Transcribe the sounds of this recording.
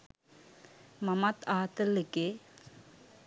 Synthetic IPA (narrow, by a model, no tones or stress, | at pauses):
mɐmɐt̪aːt̪ɐlːike